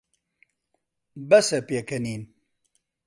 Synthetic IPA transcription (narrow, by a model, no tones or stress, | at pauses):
bɐsɛpeːkʰɐniːn